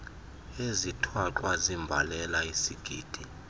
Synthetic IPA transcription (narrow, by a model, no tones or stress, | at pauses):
ezitʰwaǃwazimbʱa̰lɛlaisiɡ̥ʱiːd̥ʱi